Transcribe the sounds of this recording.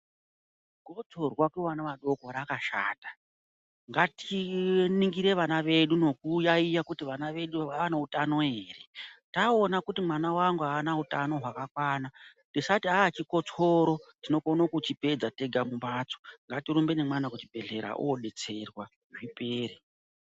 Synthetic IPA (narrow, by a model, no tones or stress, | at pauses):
ko̞t͡so̞rwakeʋanaʋaɗo̞koɾakaʃa̰ːtḁ | ŋɡatiniŋɡiɾe̞ʋanaʋe̞ɗuno̞kujaijakutiʋanaʋe̞ɗuaanautano̞ɦe̞ːre̞taonakutimwanawaŋɡuaːnautano̞ɦwakakwaːna | tisatiɦaːt͡ʃiko̞t͡soɾo̞tino̞konokut͡ʃipe̞d͡zate̞ɡʱamumbaːt͡so̥ŋɡatiɾumbe̞nemwanakut͡ʃibʱe̞ɮe̞ɾa̰ʔo̰oɗe̞t͡se̞rwa | ʐipe̞ːɾe